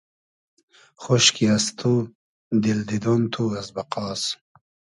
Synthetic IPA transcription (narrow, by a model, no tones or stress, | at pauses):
xoɕkiɐst̪ʰu | d̪ild̪id̪ont̪ʰuɐsbɐqɑːs